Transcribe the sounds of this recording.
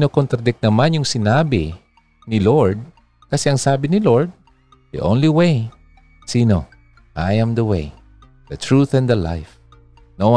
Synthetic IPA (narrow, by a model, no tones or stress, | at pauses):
nokont̪ɾɐd̪ɪk̚nɐmanjʊŋsɪnaːbɪ | nɪloɹd̪̚ | kɐsɛɐŋsaːbɪnɪloɹd̪̚ | d̪ḭʔõwnliwej | siːno | ʔajãmd̪ɐwḛj | d̪̥ɐt̪ɹuθɛ̃nd̪ɐla̰jf | no